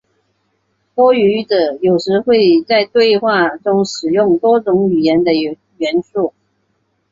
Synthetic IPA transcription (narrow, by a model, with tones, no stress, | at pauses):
twɔ˥y˧˥ʈ͡ʂə˨˩jo˨˩ʊʂɻ̩˧˥xwe˥˧ɪt͡sa˥˧ɪt̪we˥˧ɪxwa˥˩ʈ͡ʂʊ˥ŋʂɻ̩˨˩jʊ˥˩ŋt̪wɔ˥t͡sʊ˧˥ŋy˨˩jɛ˧˥nd̪ə˧ | ɥɛ˧˥nʂu˥˩